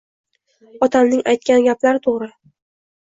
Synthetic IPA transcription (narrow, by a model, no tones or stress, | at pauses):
ɒt̪ʰamnɪŋajt̪̚kʲanɡʲaplaɾɪt̪ʰoʁɾɪ